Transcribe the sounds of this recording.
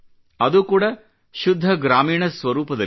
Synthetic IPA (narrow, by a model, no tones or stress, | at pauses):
ɐðukuːɽɐ | ʃud̪ʱːɐɡɾaːmiːɳɐsʋɐɾuːpɐðɐ